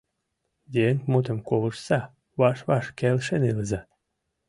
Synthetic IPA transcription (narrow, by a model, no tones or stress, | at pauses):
d̪eeŋkmut̪̬ə̆mkoβəʃsɑ | βɑʃβɑʃkelʃeneləzɑ